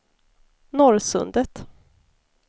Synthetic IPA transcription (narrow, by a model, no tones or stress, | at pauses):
nɔɾsɵ̰nd̪ət̪